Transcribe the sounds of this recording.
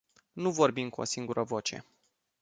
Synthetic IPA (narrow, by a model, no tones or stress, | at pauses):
nuvo̞rbimkuosiŋɡuɾʔəvo̞t͡ʃe̞̰